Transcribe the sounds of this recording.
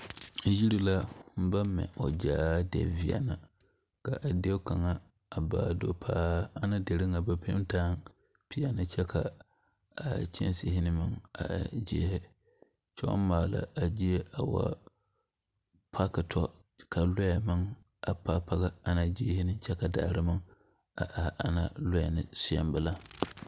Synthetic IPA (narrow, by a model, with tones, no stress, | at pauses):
ji˦ɾi˨la˦m̩˦ba˦mː˦ɛ̰˨o˨d͡ʒaː˦dɛ̰˨vi˨a̰˨na˨ | ka˨ʔa˨de˦ka˨ŋa˦ | a˨baː˦˨do˦pʰaː˦a˦na˦de˨ɾɨ˦ŋa˨ba˦pe˦taː˦ŋ | pi˨a˨nɨ˦t͡ʃɛ˦ka˨ | a˨t͡ʃɛ̰˦nsɪ˦hɪ˦nɨ˦mɨ˨ŋa̰˨d͡ʒḭ˦hɪ˦ | t͡ʃɔ̰˦m˦maː˨la̰˨a˨d͡ʒi˦e˦ʔa˨wa̰˦ | pʰa˦kɨ˨tʰɔ˦ | ka˨la˦ja˨mɨ˦ŋ | a˨pa˦pa˦ɣa˦a˦na˦d͡ʒiː˦hɪ˦nɨ˦t͡ʃɛ˦ka˨da̰ː˨ɾɨ˦mɨ˦ŋ | a̰˨ʔa˨ʔa˨na̰˦lʊ˦ja˨nɨ̰˨sɪ˦a̰˦mbɨ˨la˦